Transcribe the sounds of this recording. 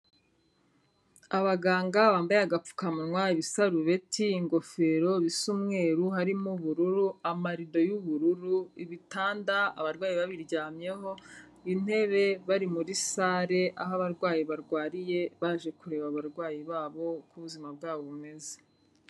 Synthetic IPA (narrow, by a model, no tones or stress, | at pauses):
aβaɡaːŋɡaβaːmbajaɡap͡fu̥kamuŋwaiβisaɾuβe̞tʰiːŋɡo̞fe̞ɾo̞βisumŋe̞ːɾuɦaɾimuβuɾuɾuamaɾido̞juβuɾuɾuiβitaːndaaβaɾɡwaːjiβaβiɾɟaːmje̞ɦo̞ | in̥e̞βe̞βaɾimuɾisaːɾe̞ʔa̰ɦaβaɾɡwaːjiβaɾɡwaːɾije̞βaːʒe̞kuɾe̞ːβaβaɾɡwaːjiβaːβo̞kuβuzimab̚ɡaːβoβume̞ze̥